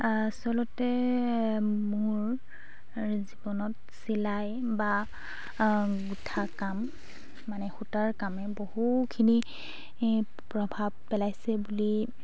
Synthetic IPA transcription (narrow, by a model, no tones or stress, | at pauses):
asɔlɔtɛ | muɹ | zibɔnɔt | silaj | ba | ɡutʰakamː | anɛxutaɹkamɛbohukʰini | pɹɔbʱab̚ːɛlajsɛbuli